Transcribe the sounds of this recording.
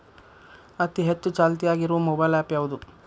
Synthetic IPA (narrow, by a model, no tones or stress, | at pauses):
ɐt̪iɦet͡ʃːut͡ʃaːlt̪̬ijaːɡiɾuʋɐmɔbɐjlaːpjaːʋud̪u